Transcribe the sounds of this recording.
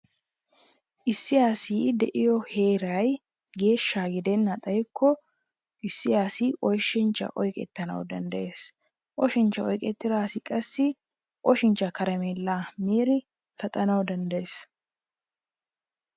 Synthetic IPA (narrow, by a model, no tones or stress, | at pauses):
ʔɪsːɪjaːsiːd̪ɛʔɪjɔhe̞ːɾɐj | ɡe̞ːʃːaɡɪd̪ɛnːɐt̪ʼɐjkʰːɔ | ʔɪsːɪjaːsiʔɔjʃːɪnt͡ʃːɐ̰ʔɔjkʼɛ̰t̪ːɐnɐ̰wd̪ɐnd̪ɐʔeːs | ʔɔʃɪnt͡ʃːɐɔjkʼɛt̪ːɪɾaːsɪkʼɐsːɪ | ʔɔʃɪnt͡ʃːɐkɐɾɛmeːlːaːmiːɾɪ | fɐt̪ʼɐnɐwd̪ɐnd̪ɐjeːs